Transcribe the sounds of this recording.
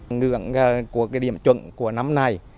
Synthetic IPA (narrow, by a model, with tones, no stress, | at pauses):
ŋɨ̰˧˨əŋə˨˩ku˧˩əkaː˨˦jɗḭ˧˩əmt͡ɕwə̰˧˨ŋku˧˩əna˨˦mna˨˩j